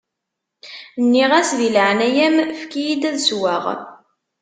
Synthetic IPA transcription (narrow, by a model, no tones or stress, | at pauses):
nːiʁæsðilʕnæjæmfkijid̪æðswaʁ